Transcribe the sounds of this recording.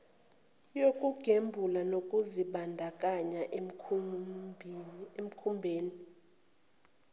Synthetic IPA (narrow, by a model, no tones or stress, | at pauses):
jokʼuɡ̥ʱembʱulanokʼuziɓandʱakʼaɲaʔ | em̩kʰumbʱeːni